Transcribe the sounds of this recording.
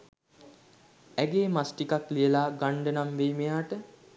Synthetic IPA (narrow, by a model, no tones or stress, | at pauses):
æɡeːmasʈikaklijəlaːɡaɳɖənamʋejmejaːʈə